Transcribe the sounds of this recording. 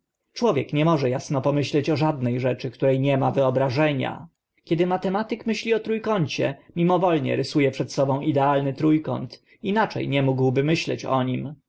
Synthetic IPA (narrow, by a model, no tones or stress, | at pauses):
t͡ʂwɔvʲjɛkɲɛmɔʐɛjasnɔpɔmɘɕlɛt͡ɕɔʐad̪nɛjʐɛt͡ʂɘkt̪uɾɛjɲɛmavɘɔbɾaʐɛɲa̰ | kʲjɛd̪ɘmat̪ɛmat̪ɘkmɘɕlʲiɔt̪ɾujkɔɲt͡ɕɛ̰mʲimɔvɔlɲɛ̰ɾɘsujɛpʂɛt̪sɔbɔ̃w̃id̪ɛalnɘt̪ɾujkɔ̰nt̪ | inat͡ʂɛ̰jɲɛmuɡwbɘmɘɕlɛ̰t͡ɕɔ̰ɲim